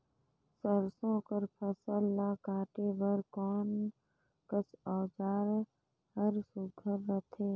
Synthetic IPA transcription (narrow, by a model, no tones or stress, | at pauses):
səɾsõkəɾpʰəsəlːaːkaːʈebəɾkɔːn | kəsɔːd͡ʒaːɾ | həɾsʊɡʱəɾːət̪ʰeː